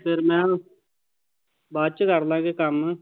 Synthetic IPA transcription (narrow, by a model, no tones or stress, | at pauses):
pʰɪɾmɛ̃ː | baːt͡ʃkəɾd̪ãːɡekəm